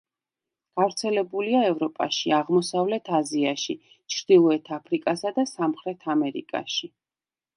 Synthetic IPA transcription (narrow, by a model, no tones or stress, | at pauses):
ɡ̥avɾt̪sʰɛlɛbuliaɛvɾɔpʼa̰ʃiaʁmɔsavlɛt̪ʰaziaʃi | t͡ʃʰɾd̪̥ilˠɔɛt̪ʰapʰɾikʼasad̪asamχɾɛt̪ʰamɛɾḭkʼa̰ʃi